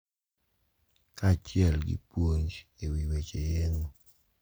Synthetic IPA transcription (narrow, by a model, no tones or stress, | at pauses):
kat͡ʃɪɛlɡḭpwoɲd͡ʒewiwet͡ʃejeŋo